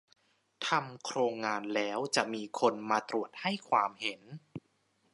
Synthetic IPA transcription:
t̪ʰa˧mkʰɾoː˧ŋːaː˧nlɛː˦˥wt͡ɕa˨˩ʔmiː˧kʰo˧nmaː˧t̪ɾu˨˩ət̪̚ha˥˩jkʰwaː˧mhe˩˦n

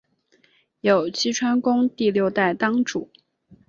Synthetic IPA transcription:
jo˨˩ʊt͡ɕʰi˥ʈ͡ʂʰwa˥nkʊ˥ŋt̪i˥˧ljo˥˧ʊt̪a˥˩ɪt̪ɑ˥ŋʈ͡ʂu˨˩˦

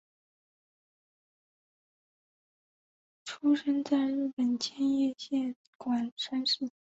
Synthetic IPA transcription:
ʈ͡ʂʰu˥ʂə˥nt͡sa˥˧ɪɻ̩˥˩pə˨˩nt͡ɕʰjɛ˥njɛ˥˧ɕjɛ˥˩n | kwa˨˩nʂa˥nʂ̩˥˩

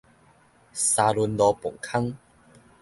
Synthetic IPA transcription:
sa˧lu˧nlɔ˧pɔ̰˨˩ŋkʰa˦˥ŋ

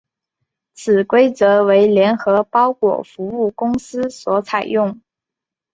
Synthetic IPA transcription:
t͡sʰɹ̩˨˩kwe˥ɪt͡sɤ˧˥we˧˥ɪljɛ˧˥nxɤ˧˥pɑ˥ʊkwɔ̰˨˩fu˧˥u˥˩kʊ˥ŋsɹ̩˥swɔ˧˥t͡sʰa˨˩ɪjʊ˥˩ŋ

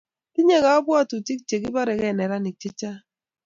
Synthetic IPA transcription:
ti˦ɲe˦ɣa˨˦bwa˦˨tu˨ti˦k̚t͡ʃe˨ki˦ba˦ɾɛ˨ɣɛ˦˨nɛ˨ɾa˦ni˨k̚t͡ʃe˦t͡ʃa˦

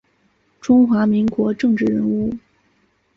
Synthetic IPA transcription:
ʈ͡ʂʊ˥ŋxwa˧˥mi˧˥ŋkwɔ˧˥ʈ͡ʂɤ˥˧ŋʈ͡ʂɻ̩˥˩ɻə˧˥nu˥˩

